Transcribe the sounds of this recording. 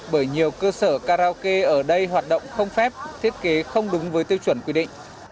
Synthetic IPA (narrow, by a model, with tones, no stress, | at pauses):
ɓəː˧˩jɲi˨˩əwkəː˧səː˧˩kaː˧ɾaː˧ke˧ʔəː˧˩ɗə˧jɦwaː˨˩t̚ɗə̰˧˨wŋ͡mxə˧wŋ͡mfɛ˦˥p̚t̪ʰi˦˥ət̚ke˨˦xə˧wŋ͡mɗʊ˨˦ŋ͡mvəː˨˦jt̪i˧əwt͡ɕwə˧˩nkwi˧ɗḭ˧˨ŋ̟